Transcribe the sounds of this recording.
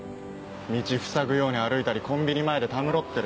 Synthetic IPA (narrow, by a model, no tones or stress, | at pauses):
mʲit͡ɕiɸɯ̟̥saɡɯ̟jo̞ːɲ̟iaɾɯ̟it̪aɾʲikõ̞mbʲiɲ̟imae̞d̪e̞t̪amɯ̟ɾo̞t̪ːe̞ɾ